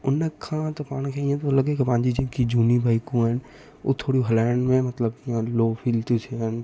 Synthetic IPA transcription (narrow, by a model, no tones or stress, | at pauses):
ʊnːekʰãt̪opaːnkʰeĩẽt̪olɐɡekepãːnd͡ʒid͡ʒɪ̃nkid͡ʒuːnibʱaːikun | o̰t̪ʰoːɽiɦɐlaːɳɖmẽmɐt̪ləbãloːpʰilt̪ut͡ʃʰen